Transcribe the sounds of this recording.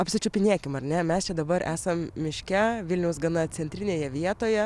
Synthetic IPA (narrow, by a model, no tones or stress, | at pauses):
ɐpʲsʲɪt͡ʃʲʊpʲɪnʲeːkʲɪmɐɾnʲɛmʲɛst͡ʃʲɛd̪ɐbɐɾʔæːsɐmmʲɪʃʲkʲɛʋʲɪlʲnʲɛʊsɡɐnɐt͡s̪ʲɛnʲt̪ʲɾʲɪnʲeːjɛʋʲiɛt̪oːjɛ